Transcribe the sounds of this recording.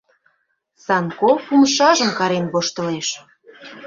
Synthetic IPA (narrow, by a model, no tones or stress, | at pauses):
sɑnkopumʃɑʒəmkɑɾenβoʃt̪ə̆leʃ